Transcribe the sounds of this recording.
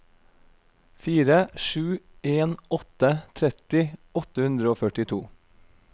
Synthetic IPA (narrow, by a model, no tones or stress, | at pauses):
fiːɾəʃʉː | eːnɔt̪ət̪ʰɾɛt̪ɪɔt̪əhʉnd̪ɾəoːfœʈɪt̪ʰuː